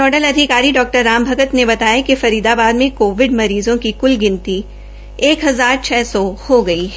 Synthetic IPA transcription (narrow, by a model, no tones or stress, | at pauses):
ɔːɖəlɐd̪ʱɪkaːɾiɖɔːk̚ʈəɾːaːmbʱɐɡət̪nebɐt̪aːjakefɐɾiːd̪abaːd̪mẽkoːʋɪɖmɐɾiːzõkikʊlɡɪ̃nt̪i | eːkɦɐzaːɾt͡ʃʰɛːsɔhoɡɐiɦɛ